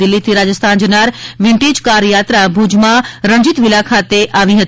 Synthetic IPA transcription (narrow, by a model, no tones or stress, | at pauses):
ɪlːit̪ʰiɾaːd͡ʒəst̪ʰaːnd͡ʒənaɾʋɪ̃ɳʈeːd͡ʒkaɾjaːt̪ɾabʱud͡ʒmãɾə̃ɲd͡ʒit̪ʋɪlakʰat̪eʔaʋĩɦət̪